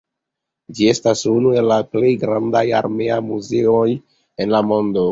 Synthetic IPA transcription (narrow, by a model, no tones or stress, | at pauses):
d͡ʒie̞stasunue̞lːaple̞jɡɾandajaɾme̞ajmuzeo̞j | e̞nlamo̞ndo